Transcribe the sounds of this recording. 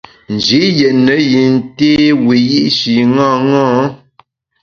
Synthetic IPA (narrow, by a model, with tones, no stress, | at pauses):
n̩˨d͡ʒi˨˦jɛ˨ʔnə˨˦ji˨n˨te˦wi˨ji˦ʔʃi˨ŋãː˦ŋãː˦